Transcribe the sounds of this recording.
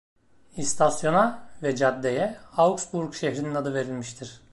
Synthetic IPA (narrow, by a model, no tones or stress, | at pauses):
ist̪ʰasjo̞navɛd͡ʒad̪ːejɛawksbuɾkʃeçɾininad̪ɯve̞ɾilʲmiʃt̪ʰiɾ̥